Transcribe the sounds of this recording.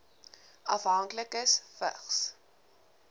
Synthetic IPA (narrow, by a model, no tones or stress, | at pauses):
ɐfɦɐŋkləkəsfə̰χs